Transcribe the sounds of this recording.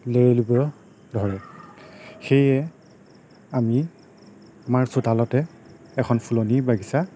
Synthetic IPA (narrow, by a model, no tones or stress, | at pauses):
leɹelibɔ | dʱɔɹɛ | xejɛ | ami | amaɹsotalɔtɛ | ɛkʰɔnpʰulonibaɡisa